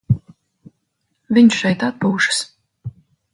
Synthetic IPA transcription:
vʲiɲʃʃɛjt̪at̪̚puːʃɨ̥s

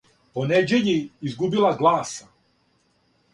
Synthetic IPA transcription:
poned͡ʑeʎiizɡubilˠaɡlˠaːsa

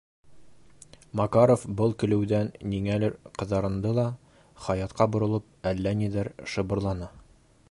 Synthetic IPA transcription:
mɑkaɾofbɤlˠkɵ̆lɘ̆wd̪ænːiŋælɘɾqɤ̆ðɑɾɤ̆nd̪ɤlˠɑ | χɑjɑt̪qɑbŏɾɤ̆lˠɤp̚ælːænid̪æɾʃɤ̆bɤ̆ɾlˠɑnɑ

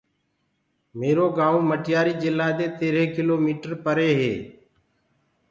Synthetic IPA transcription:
meːɾoːɡaːõːməʈɪjaːɾiːd͡ʒɪlːaːd̪eːt̪eːɾẽːkɪloːmiːʈəɾpəɾeːɦḛː

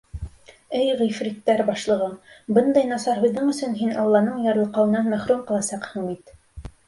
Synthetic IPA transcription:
ɘjʁĭjfɾit̪ːæɾbɑʃlˠɤ̆ʁɤbɤnd̪ɑjnɑsɑɾɦŭðːɤɴɵ̆sɵnɦinɑ̰lˠːɑnɤɴjɑɾɤ̆lˠqɑwɤ̆nɑnmæχɾumqɤ̆lˠɑsɑqhɤ̆ɴbit̪

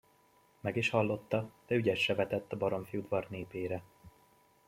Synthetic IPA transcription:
mɛɡiʃhɒlːo̞t̪ːɒd̪̥ɛyɟɛʃːɛvɛt̪ɛt̪ːɒbɒɾo̞mfijud̪vɒrneːpeːɾɛ

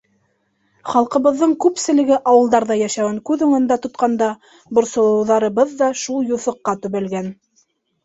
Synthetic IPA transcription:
χɑlˠqɤ̆βɤ̆ðːɤɴkʉpsɘ̆lɘ̆ɡɘʔɑwɤ̆lˠd̪ɑɾðɑjæʃæwɘŋkʉðɵ̆ŋɵ̆nd̪æt̪ŏt̪qɑnd̪ɑ | bŏɾsŏlˠɤ̆wðɑɾɤ̆βɤðːɑʃulˠjuθɤ̆qːɑt̪ɵ̆βɘ̆lɡæn

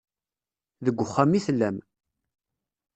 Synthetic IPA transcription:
ðəɡʷːəχːamiθlːæm

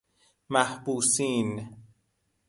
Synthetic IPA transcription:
mæhbuːsiːn

